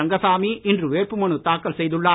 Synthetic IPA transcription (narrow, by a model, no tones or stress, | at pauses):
ɐŋɡɐsaːmiʔɪndrɯʋeːrpɯmɐɳɯt̪aːkːɐlsɛjðɯɭːaː